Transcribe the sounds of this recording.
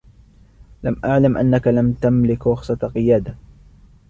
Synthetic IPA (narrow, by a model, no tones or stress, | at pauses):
lamʔaʕlamʔa̰nːakalamt̪amlɪkɾʊxsˤɑqɨjaːd̪a